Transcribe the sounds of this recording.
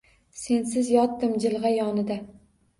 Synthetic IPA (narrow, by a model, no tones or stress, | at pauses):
se̞nsɪzjɒt̪ːɪmd͡ʒɪlˠʁɑjɒnɪd̪a